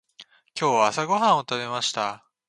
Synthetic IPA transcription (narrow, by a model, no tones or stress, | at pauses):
kʲo̞ːβaːsaɡo̞ɦãɰ̃o̞t̪ame̞maɕi̥t̪a